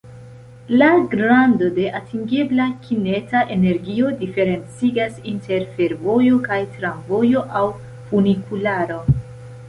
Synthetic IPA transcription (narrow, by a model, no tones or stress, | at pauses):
laɡɾando̞de̞ʔatiŋɡe̞blakʰine̞taʔe̞ne̞ɾɡio̞dife̞ɾe̞nt͡siɡasinte̞ɾfe̞ɾvo̞jo̞kajtɾamvo̞jo̞ʔaw | funikulaɾo̞